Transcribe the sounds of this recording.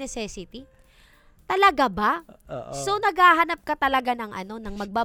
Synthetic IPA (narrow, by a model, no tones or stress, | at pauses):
nɛsɛsɪt̪i | t̪ɐlɐɡabaʔso̞nɐɡhaːɦɐnap̚kɐt̪ɐlɐɡanɐŋʔɐ̰no̞nɐŋmɐɡ̚ba